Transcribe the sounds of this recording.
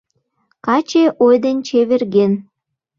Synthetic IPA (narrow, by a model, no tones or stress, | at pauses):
kɑt͡ɕeʔojd̪ent͡ɕeβerɣen